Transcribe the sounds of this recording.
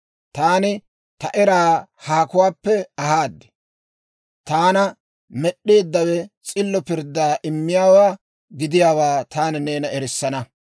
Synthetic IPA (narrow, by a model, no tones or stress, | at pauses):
t̪aːnɪ | t̪ɐʔɛɾaːhaːkʊwaːpːɛɐɦaːd̪ːɛ̥ | t̪aːnɐ | mɛɗːeːd̪ːɐwɛt͡sʼɪlːɔpɪɾd̪ːaːʔɪmːɪjaːwaː | ɡɪd̪ɪjaːwaːt̪aːnɛneːnɐɛɾɪsːɐnɐ